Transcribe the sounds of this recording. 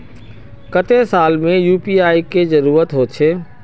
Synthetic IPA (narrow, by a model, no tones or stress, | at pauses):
kət̪esaːlmẽjuːpiaːikezɐɾuːɾət̪ɦot͡ʃʰeː